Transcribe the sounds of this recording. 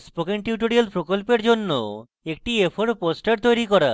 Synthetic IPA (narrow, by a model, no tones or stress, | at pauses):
spokeɳʈjuʈ̬oɾialpɾokolpeɾd͡ʑonːo̰ | ek̚ʈiepʰoɾposʈaɾt̪ojɾikɔɾa̰